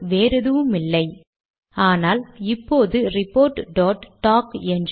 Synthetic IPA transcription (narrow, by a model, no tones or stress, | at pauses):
ʋeːɾɐðɯʋɯmɪlːɐɪ | aːnaːlɪpːoːðɯɾɪpːoːɾʈɖoːʈʈːaːkɛndr